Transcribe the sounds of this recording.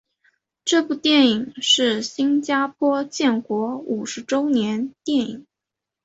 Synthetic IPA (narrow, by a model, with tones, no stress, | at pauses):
ʈ͡ʂɤ˥˧pu˥˩t̪jɛ˥˩ni˨˩ŋʂɻ̩˥˩ɕi˥nt͡ɕja˥pʰwɔ˥t͡ɕjɛ˥˩nkwɔ˧˥u˨˩ʂɻ̩˧˥ʈ͡ʂo˥ʊnjɛ˧˥nt̪jɛ˥˩ni˨˩˦ŋ